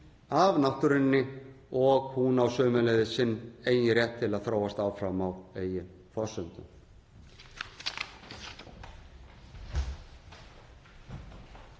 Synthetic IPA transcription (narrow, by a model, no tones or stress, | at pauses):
avnaht̪ʏɾɪnːɪ | ɔɣhunawsœːmʏleːjðɪsɪnːeːjɪrjɛht̪ʰːɪlaðθɾaːwast̪aːwfɾamaweːjɪn | fɔsʏnt̪ʏ̰m